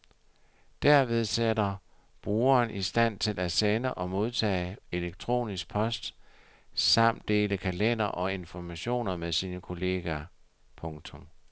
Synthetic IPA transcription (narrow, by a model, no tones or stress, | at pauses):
d̥æɐʋe̝ð̞ˠsedɐ | b̥ʁuːɐːnʔisd̥æn̰t͡sʰe̝lʔæsenəʔɒ̽mo̝ð̞ˠt͡sʰɛ̰ːe̝leɡ̥̚t͡sʰʁo̝̰ːnisɡ̥̚pʰɒ̽sd̥ | sɑ̈m̰d̥e̝ːləkʰælen̰ɐʔɒ̽e̝nfɒmæɕo̝̰ːnɐmeðsiːnəkʰo̝le̝ːɡ̥æ | pʰɔ̽ŋt͡sʰɔ̽m